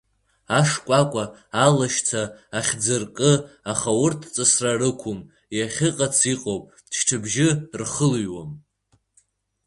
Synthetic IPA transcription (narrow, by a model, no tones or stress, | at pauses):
aʂkʷʼakʷʼaː | laʃt͡sʰaːχʲd͡zɨrkʼɨaχawʊrtʰt͡sʼɨsrarɨkʷʰʊm | jaχʲɪqʼat͡sʰiqʼowpʼ | dʃʈ͡ʂʰɨbʒɪrχəlɥwam